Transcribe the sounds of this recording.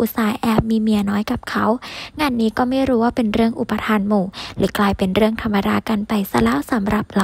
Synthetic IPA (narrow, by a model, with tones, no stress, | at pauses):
ʔu˨˧˩saː˨˦jʔɛː˧˥p̚miː˧mi˧˩ənɔː˦˥jka˨˩p̚kʰa˦˥wŋaː˧˥˨nːiː˦˥kɔː˥˩maː˧˥˩jɾuː˦˥waː˥˩pe˧nɾɯ˥˩əŋʔu˨˩pːa˧t̪ʰaː˧nmuː˨˧˩lɛː˨˦klaː˧jpe˨nɾɯ˥˩əŋt̪ʰa˧mːa˧daː˧˩ka˧˩npa˨jsa˧lɛː˦˥˨wsa˨˦mɾa˧˩p̚la˨˧